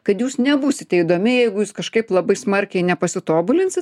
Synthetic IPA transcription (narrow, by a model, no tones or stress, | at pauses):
kɐt̪juːsnʲɛbuːsʲɪt̪ʲɛid̪oːmʲɪjɛɪɡʊjuːskɐʃkɐɪplˠɐbɐɪsmɐrʲkʲɛɪnʲɛpɐsʲɪt̪oːbʊlʲɪnʲsʲɪt̪